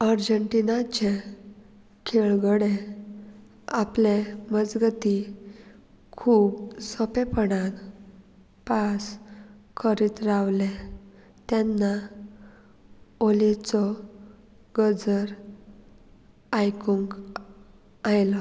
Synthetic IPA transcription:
aɾd͡ʑəɳʈinat͡ɕe | kʰeɭɡəɽe | apleməd͡zɡət̪i | kʰuːbsɔpepəɽan | paskʰəɾit̪ɾaʋle | t̪ɛnːa | olit͡sɔ | ɡəd͡zəɾ | ajkuŋk | ajlɔ

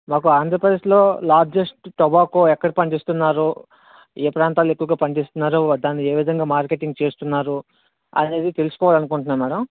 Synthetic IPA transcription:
maːkuaːnd̪ʱɾɐpɾɐd̪eːʂlo̞ːlaːɾd͡ʒesʈʈɔbaːkoːɛkːɐɽipɐɳɖist̪unːaːɾu | eːpɾaːnt̪aːluekːuʋɐɡaːpɐɳɖist̪unːaːɾud̪aːnːie̞ːʋid̪ʱɐŋɡaːmaːɾkeʈiŋɡt͡ʃe̞ːst̪unːaːɾu | ɐ̰ne̞ːd̪it̪e̞lusu̥kɔːʋaːlɐnukuɳʈunːaːmmɛːɽɐm

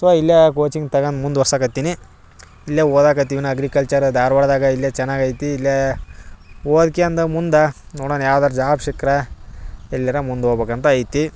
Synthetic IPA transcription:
ɐt̪ʋaːilːɐkoːt͡ʃiŋɡt̪ɐɡɐnd̪mund̪ʋɐɾsaːkɐt̪ːini | ilːɐoːd̪aːkɐt̪̬ːiʋinɐɐɡɾikɐlt͡ʃɐɾd̪aːɾʋɐɽd̪aːɡɐilːjɐt͡ʃɛnːaːɡɐjt̪iːlːɐ | oːd̪keɐnd̪ɐmund̪ɐnoːɽoːnjaːʋd̪aːɾud͡ʒaːbʃikɾɐ | ɛlːɐɾɐmund̪oːbeːkɐnt̪ɐɐjt̪i

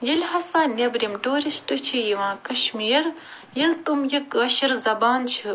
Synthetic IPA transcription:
jɐlʲɦɐsaːnʲɐbɾimɖoːɾisʈɨt͡ʃʰijiʋãːkɐʃmiːɾ | jɐlt̪umjɐkɐʃiɾzɐbaːnt͡ʃʰɨ

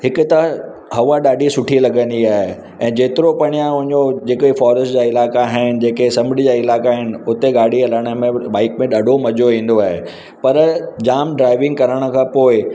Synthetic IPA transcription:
hɪkʊt̪ɐ | ɦɐʋaɗaːɖisʊʈʰilɐɡə̃nd̪iaːɦe | ɛ̃ːd͡ʑeːt̪ɪɾopɐɽ̃ijãʊ̃ɦɪ̃ɲd͡ʑod͡ʑeːkoifɔːɾəsʈd͡ʑaːɪlaːkaɦɪɪnɪ̆d͡ʑeːkesɐmɪɖid͡ʑaːɪlaːkaɦɪnɪ̆ʊt̪eɡaːɽ̤ʱiɐləɽ̃əmẽɓaːɪkmẽɗaːɖʱomɐd͡ʑoɦĩːn̆d̪oaːɦe | pɐɾd͡ʑaːmɖɾaːɪʋɪ̃ŋɡ̚kɐɾəɽ̃ə̆kʰãːpoːɪ

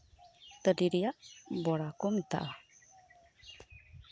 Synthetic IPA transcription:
t̪ədiɾijaʔbɔɽakumt̪a̰ʔa

